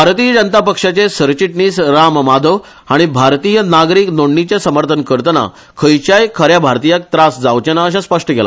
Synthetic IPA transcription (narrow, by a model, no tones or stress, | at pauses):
bʱaɾt̪iːjəd͡ʑənt̪apəkʂat͡ɕesəɾt͡ɕiʈniːsɾammad̪ʱəʋ | aɽ̃ibʱaɾt̪iːjənaɡɾiːknoɳɳit͡ɕasəməɾt̪ʰənkəɾt̪əna̰ | kʰəjt͡ɕajkʰəɾjabʱaɾt̪ijak̚t̪ɾasd͡zaʋt͡ɕenaəɕ̬ãspəʂʈəkela̰